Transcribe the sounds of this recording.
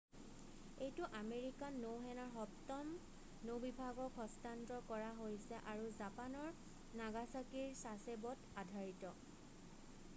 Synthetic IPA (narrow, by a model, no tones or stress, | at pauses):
ejtʊʔameɹikanowɦɛnaɹɦɔtɔm | nobibʱaɡɔkɦɔstantɹɔkɔɹaɦojsɛʔaɹuzapanɔɹ | naɡasakiɹsasebɔtadʱaɹitɔ